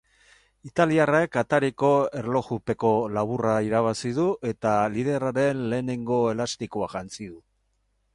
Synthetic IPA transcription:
it̪aliaraekat̪aɾiko̞e̞ɾlo̞xupe̞ko̞laβ̞uraiɾaβ̞asið̞uʔe̞t̪alið̞e̞raɾe̞nle̞ːne̞ŋɡo̞e̞last̪ikoaʝant͡siðu

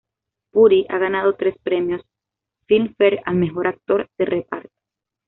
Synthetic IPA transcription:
puɾiʔa̰ɣanað̞o̞t̪ɾe̞spɾemjo̞s | filfeɾalme̞xo̞ɾak̚t̪o̞ɾd̪̥erʔepaɾt̪e̥

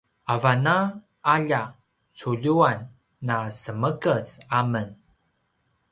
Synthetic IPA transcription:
avana | aʎa | t͡suʎuanː | asəməkət͡samən

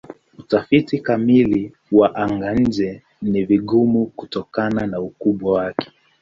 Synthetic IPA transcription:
utafitikamili | waʔaŋɡan̩d͡ʒɛ | niviɠumukutɔkananaukuɓwawakɛ̥

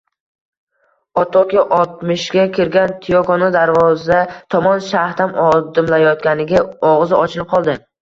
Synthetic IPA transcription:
ɒt̪ʰɒkʲɪʔɒlˠt̪mɪʃɡʲakʲʰɪɾɡʲant̪ʰijokonad̪aɾvɒzd̪at̪ʰɒmɒnʃaht̪amɒd̪ɪmlajɒt̪ɡʲanɪɡʲaɒʁzɪʔɒt͡ʃʰɪlɪp̚qʰɒlˠd̪ɪ

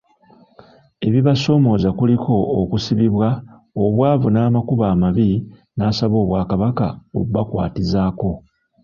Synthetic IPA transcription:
e̞βiβaso̞mo̞ːzakulikʰo̞ːkusiβiβwa | oβwaːvunaːmakuβaːmaβinaːsaβo̞ːβwaːkaβakao̰βuβakwa̰ːtizaːko̞

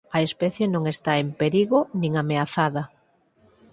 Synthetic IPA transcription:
ɐespɛθjenõŋest̪aempeɾiɣonĩŋameaθaðɐ

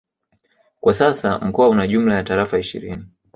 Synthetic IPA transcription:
kwasasam̩kɔaunaʄum̩lajataɾafaiʃḭɾini

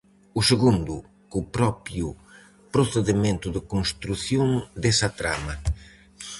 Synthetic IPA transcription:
useɣũnd̪ʊ | kupɾɔpju | pɾoθeðimẽnt̪ʊðɪkõnst̪ɾuθjõnd̪esɐt̪ɾa̰mɐ

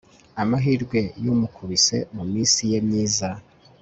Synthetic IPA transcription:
amaɦiːɾɡwe̞jomukʰuβise̞mumiːnsijemɲiːza

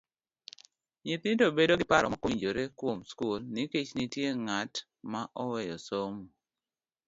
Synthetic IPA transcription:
ɲɪt̪ɪndobedoɡɪpaɾɔ̰makiɲd͡ʒoɾekwomskulniket͡ʃnitjeŋat | maʔɔwɛjɔsomu

